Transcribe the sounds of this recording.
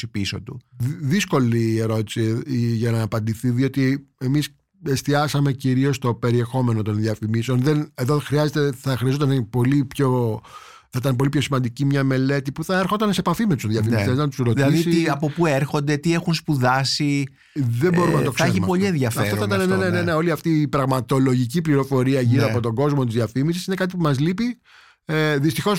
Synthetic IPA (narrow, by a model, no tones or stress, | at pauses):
ipiso̰t̪ṵðisko̞lieɾo̞t̪i̥siʝɐnɐːpɐnd̪iθiðio̞t̪ie̞mis | e̞st̪iɐsɐme̞ciɾio̞st̪o̞pe̞ɾie̞xo̞me̞no̞t̪o̞nðjɐfimiseo̞nðene̞ðoxɾiɐzet̪eθɐxɾiɐzot̪ɐnepo̞lipço | θɐit̪ɐnpo̞lipço̞simɐnd̪icimɲɐme̞le̞t̪ipuθɐeɾxot̪ɐnsepɐfimet̪u̥sðjɐfimmiseznɐt̪u̥sɾo̞t̪lɐiðsiiiɐpo̞pueɾxo̞nd̪e̞t̪ie̞xunspuðɐsi | ðe̞mbo̞ɾumnɐt̪oksçimpo̞ʎienðjɐfɐft̪oit̪ɐnenenene̞ne̞o̞liɐft̪iːpɾɐɣmɐt̪o̞lo̞ʝicipliɾo̞fo̞ɾiɐʝiɐpot̪o̞ɡo̞zmo̞t̪̬izðjiɐfimisisine̞kɐt̪̬ipumɐzlipi | eðist̪ixo̞s